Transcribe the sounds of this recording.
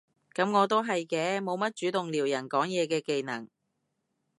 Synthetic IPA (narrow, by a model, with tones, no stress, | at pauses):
kɐ˨˥mŋɔː˨˧t̪̬o˥wɦɐ˨jkɛː˧mo˨˧wmɐ˥t̚t͡ʃyː˨˥t̪ʊ˨ŋliː˨˩wjɐ˨˩nkɔː˨˥ŋjɛː˨˧kɛː˧ke˨˧jnɐ˨˩ŋ